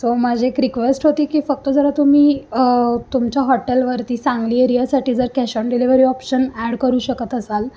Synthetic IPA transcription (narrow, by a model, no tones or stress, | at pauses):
somad͡ʑʱekɾikʋesʈɦot̪iːkiːfək̚t̪od͡zəɾat̪um̤iː | t̪umt͡ɕjaɦɔʈelʋəɾt̪iːsãŋɡliːeɾijasaʈiːd͡zəɾkɛɕɔɳɖiliʋəɾiːɔpɕənæɽkəɾuːɕəkət̪əsal